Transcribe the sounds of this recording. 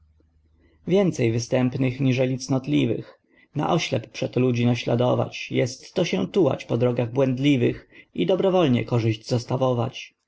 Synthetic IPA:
vʲjɛnt̪sɛjvɘst̪ɛmpnɘxɲiʐɛlʲit̪snɔt̪lʲivɘ̰x | na̰ʔɔɕlɛpːʂɛt̪ɔlud͡ʑinaɕla̰d̪ɔva̰t͡ɕjɛst̪ːɔɕɛt̪uwa̰t͡ɕpɔd̪ɾɔɡaɣbwɛnd̪lʲivɘxid̪ɔbɾɔvɔlɲɛ̰kɔʐɘʑd͡ʑzɔst̪avɔva̰t͡ɕ

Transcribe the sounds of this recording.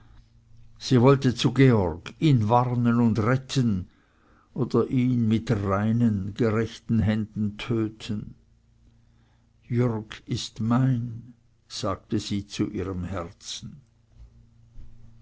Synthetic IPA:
z̥iːvɔltət͡suɡeɔʁɡ̥iːnvaʁnənʊndʁɛtʰən | ʔoːdɐʔiːnmɪtʁaɪnənɡəʁɛçtn̩ɦɛndn̩tʰøːtʰən | jʏʁɡɪstmaɪn | z̥aːɡ̚təziːt͡suʔiːʁəmhɛʁt͡sn̩

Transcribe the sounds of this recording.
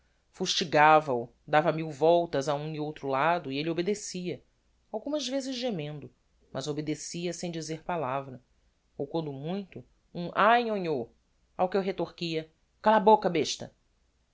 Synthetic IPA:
fuʃt͡ʃiɡavɐu | d̪avɐmiwvɔwt̪ɐzaũiowt̪ɾʊlad̪ʊielɪobed̪esiɐ | awɡũmɐzvezɪzʒemẽnd̪ʊ | mʔɐzobed̪esiɐsẽj̃d͡ʒizeɾpalavɾɐ | owkwɐ̃nd̪ʊmũj̃t̪ʊ | ũʔajõɲo | awkɪewɦet̪oχkiɐ | kalabokɐbeʃt̪ɐ

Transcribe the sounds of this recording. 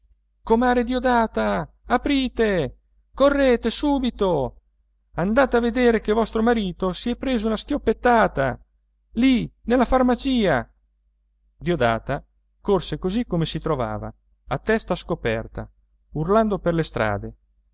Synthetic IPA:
komaːɾed̪iod̪aːt̪aː | pɾiːt̪e | korːeːt̪esuːbit̪o | and̪aːt̪eavːed̪eːɾek̟evɔst̪ɾomaɾiːt̪osiɛpɾeːzounask̟jopːet̪ːaːt̪a | linelːafarmat͡ʃiːa | d̪iod̪a̰ːt̪a | korsekozikːomesit̪ɾova̰ːva̰ | at̪ːɛst̪askopɛ̰rt̪a̰ | urland̪operlest̪ɾa̰ːd̪e

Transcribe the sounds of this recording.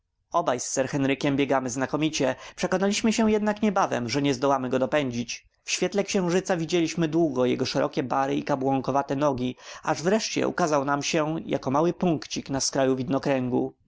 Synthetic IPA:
ɔbajsːɛɾxɛnɾɘkʲɛmbʲjɛɡamɘznakɔmʲit͡ɕɛpʂɛkɔnalʲiɕmɘɕɛ̃jɛd̪nakɲɛbavɛ̰mʐɛɲɛzd̪ɔwamɘɡɔd̪ɔpɛɲd͡ʑit͡ɕ | fɕfʲɛt̪lɛkɕɛ̃w̃ʐɘt̪savʲid͡ʑelʲiɕmɘd̪wuɡɔjɛ̰ɡɔʂɛɾɔ̰kʲɛbaɾɘikabwɔŋkɔvat̪ɛnɔɡʲiaʐvɾɛʂt͡ɕɛ̰ṵkazawnamɕɛja̰kɔmawɘpuŋkt͡ɕiknaskɾajuvʲid̪nɔkɾɛŋɡṵ

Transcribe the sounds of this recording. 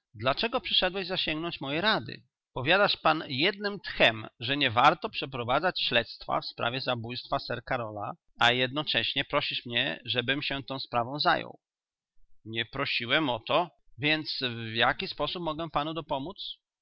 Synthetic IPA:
d̪lat͡ʂɛɡɔpʂɘʂɛd̪wɛʑzaɕɛŋɡnɔɲt͡ɕmɔjɛɾad̪ɘ̰ | pɔvʲjad̪aʂpanjɛd̪̚nɘmt̪xɛmʐɛɲɛvaɾt̪ɔpʂɛpɾɔvad̪zat͡ɕɕlɛt̪st̪fa̰fspɾa̰vʲjɛzabujst̪fasɛɾkaɾɔla̰ | ajɛd̪̚nɔt͡ʂɛɕɲɛpɾɔɕiʂmɲɛ̰ʐɛbɘmɕɛt̪ɔ̃w̃spɾavɔ̃w̃za̰jɔ̰w | ɲɛpɾɔɕiwɛmɔt̪ɔ | vʲjɛnt̪svjakʲispɔsup̚mɔɡɛpanud̪ɔpɔmut̪s

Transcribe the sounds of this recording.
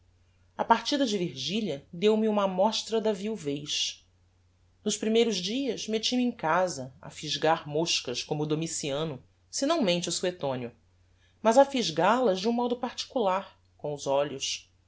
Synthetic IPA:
ɐpaɾt͡ʃid̪ɐd͡ʒɪviɾʒiʎɐd̪ewmiũmɐmɔʃt̪ɾɐd̪ɐviwvejʃ | nʊʃpɾimejɾʊzd͡ʒiɐʃmet͡ʃimɪẽkazɐɐ̰fiʒɡaɾmoʃkɐʃkõmʊd̪omisiɐ̃nʊ | sinɐ̃w̃mẽnt͡ʃɪusuet̪õnjʊ | mɐzafiʒɡaɾlɐzd͡ʒɪũmɔd̪ʊpaɾt͡ʃi̥kulaɾ | kõw̃ʊzɔʎʊʃ

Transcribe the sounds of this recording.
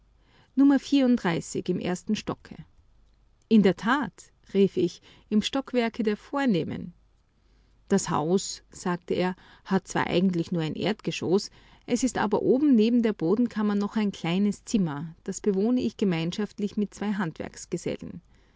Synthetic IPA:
nʊmɐfiːɐʊntdʁaɪsɪçɪmʔḛɐstn̩ʃtɔkʰə̰ | ʔɪndeːɐtʰaːt | ʁiːfɪç | ɪmʃtɔkv̥ɛɐkədeːɐfoːɐneːmə̰n | d̥asha̰ʊsz̥aːktəeːɐ | hat̚t͡sv̥a̰ːʔa̰ɪɡŋ̩tlɪçnuːɐaɪnʔḛːɐtɡ̥əʃos | ʔɛsɪstʔa̰ːbɐʔoːbm̩neːbm̩deːɐboːdn̩kʰamɐnɔχaɪnkʰl̥aɪnəst͡sɪmɐd̥asb̥əvoːnəʔɪçɡ̥əmaɪnʃaftlɪçmɪt̚t͡sv̥aɪɦantv̥ɛ̰ɐksɡ̥əzɛ̰lən̩

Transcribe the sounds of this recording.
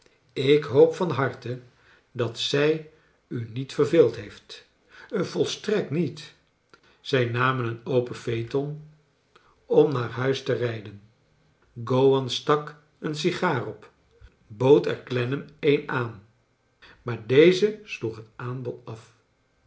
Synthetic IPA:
ɪkɦowpfɑnɦɑɹtə | dɑtsɛj | ynitfərveːlˠtɦejft | ənv̥ɔlˠstrɛk̚tnit | z̥ɛjnaːmənənowpəfejtɔn | ɔmnaːɹɦœɥstərɛjdən | ɡowɑnstɑk | əns̬iχaːrɔp | bowtɛ̰ɹklɛnəmejnaːn | maːɹdejzəsluχɦətaːnbɔtɑf

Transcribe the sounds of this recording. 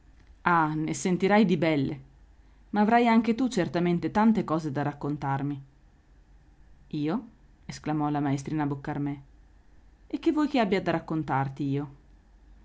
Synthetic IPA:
anesent̪iɾajd̪ibɛlːe | maːvɾajaŋk̟et̪ut͡ʃert̪ament̪et̪ant̪ekɔːzed̪arakːont̪armi | iːo | esklamɔlamaest̪ɾiːnabokːarmɛ | ekːevːɔjkeabːjad̪aɾakːont̪art̪iiːo

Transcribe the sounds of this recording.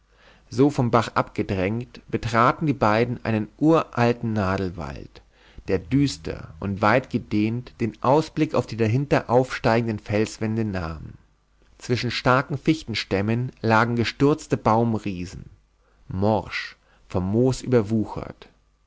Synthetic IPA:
zoːfɔmbaχʔa̰pɡ̥ədʁɛŋktb̥ətʁ̥aːtn̩diːbaɪdn̩ʔa̰ɪnənʔuːɐʔaltn̩naːdl̩va̰lt | d̥eːɐdyːstʰɐ̰ʔʊntv̥aɪtɡ̥ədeːntd̥eːnʔaʊsb̥lɪkaʊfd̥iːdaɦɪntɐʔaʊfʃtaɪɡŋ̩dənfɛlsv̥ɛndəna̰ːm | t͡sv̥ɪʃn̩ʃtaɐkŋ̩fɪçtn̩ʃtɛmənlaːɡŋ̩ɡəʃtʏɐt͡stəbaʊmʁiːzn̩ | mɔʁʃ | fɔmːoːsʔy̰ːbɐvuːxɐ̰t

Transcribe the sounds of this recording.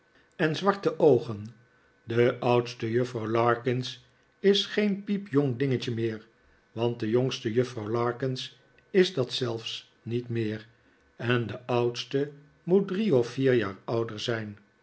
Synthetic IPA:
ɛnzʋɑɹtəʔowχən | dəʔʌwtstəjøfrɑwlɑːɹkɪns | ɪsχejnpipjoŋdɪŋəcəmɪːɹ | ʋɑnt̚dəjoŋstəjøfrɑwlɑːɹkɪns | ɪzdɑtsɛlˠfs | nitmɪːʁ | ɛndəʔʌwtstə | mut̚driɔfːiːɹja̰ːɹʌwdəɹzɛjn

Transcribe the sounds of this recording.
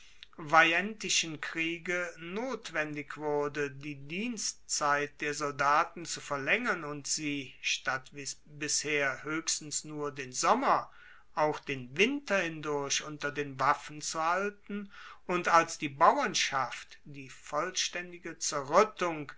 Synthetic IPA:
vaɛntɪʃənkʁ̥iːɡənoːtv̥ɛndɪkv̥ʊɐdədiːdiːnstt͡saɪt̚d̥eːɐzɔldaːtn̩t͡sufɛɐlɛŋɐnʊntz̥iːʃtatvɪ | bɪsheːɐhøːçstn̩snuːɐdeːnzɔmɐ | ʔaʊxd̥eːnvɪntɐhɪndʊɐɕʔʊntɐdeːnvafn̩t͡suhaltn̩ʔʊntalsd̥iːbawɐnʃaftd̥iːfɔlʃtɛndɪɡət͡sɛɐʁʏtʊŋ

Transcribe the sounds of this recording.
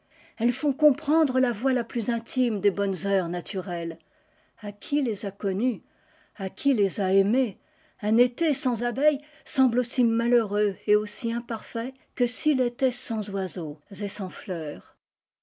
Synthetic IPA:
ɛlfɔ̃kɔ̃pχɑ̃d̪ʁəlavwalaplyzɛ̃t̪ʰimd̪ebɔnzœʁnat̪ʰyʁɛl | akʲʰilezakɔny | akʲʰilezaeme | ɛ̃net̪esɑ̃zabɛj | sɑ̃blosimaløʁøeosiɛ̃paʁfɛ | kəsilet̪ɛsɑ̃zwazozesɑ̃flœːʁ

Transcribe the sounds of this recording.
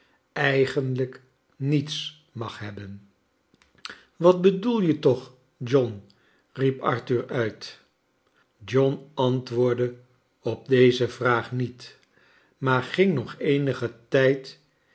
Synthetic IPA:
ɛjχənlək | nits | mɑχɦɛbən | ʋɑt̚bədulˠjətɔχ | d͡ʒɔn | ripɑ̰ɹtyɹœɥt | d͡ʒɔnɑntʋʊːɹdə | ɔb̚dejzəvraːχnit | maːɹχɪŋnɔχejnəχətɛjt

